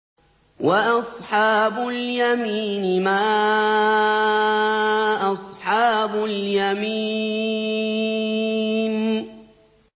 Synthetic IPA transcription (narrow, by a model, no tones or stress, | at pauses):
waʔɑsˤħɑːbʊljamiːnɪmaː | ʔɑsˤħɑːbʊljami | n